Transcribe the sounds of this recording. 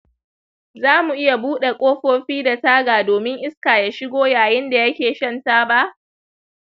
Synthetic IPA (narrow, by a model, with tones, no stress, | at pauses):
zaː˦mu˨ʔɪ˦ja˨buː˦ɗe˨kʷʼoː˦ɸoː˦ɸiː˦da˨taː˦ɡaː˨doː˨mɪ˦ŋʔɪ˦skaː˨ja˦ʃɪ˦ɡʷoː˦jaː˨jɪ˦nda˨jɐ˦kʲeː˨ʃɐ˦˨ntaː˦ba˦ʔ